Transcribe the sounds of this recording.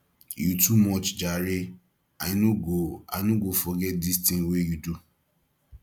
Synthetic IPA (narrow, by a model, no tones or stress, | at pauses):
jutʰumɔt͡ʃd͡ʒaɾɪ | aɪnuoa̰nuɡofɔɡɛt̚distĩnwejudu